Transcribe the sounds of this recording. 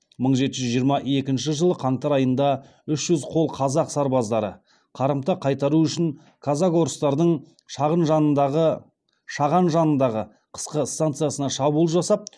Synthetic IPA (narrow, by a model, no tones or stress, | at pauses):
məɴʒe̞t̪ɪʒʏzʒijəɾmɑʔe̞kʲɪnʃɪʒəlˠəqʰɑɴt̪ɑɾɑjənd̪ɑ | ʏʃʒ̥ʏzqʰo̞lˠqʰɑzɑqsɑɾbɑzd̪ɑɾə̰ | qʰɑɾəmt̪ɑqʰɑjt̪ɑɾuʏʃɪn | kʰazɑko̞ɾəst̪ɑɾd̪əɴ | ʃɑʁənʒɑnəd̪ɑʁə | ʃɑʁɑnʒɑnənd̪ɑʁə | qʰə̥sqəst̪ant̪sɨjasənɑʃɑbulˠəʒɑsɑp̚